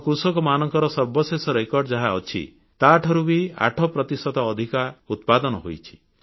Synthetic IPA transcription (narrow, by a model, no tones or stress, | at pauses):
kusɔkɔmanɔŋkɔɾɔsɔɾbɔsesɔɾekɔɾɖɔd͡ʒaɦaɔt͡ʃʰḭ | t̪aʈʰɔɾubia̰ʈʰɔpɾɔt̪isɔd̪ɔːd̪ʱikaut̪̚pad̪ɔnɔɦo̰jt͡ʃʰi̥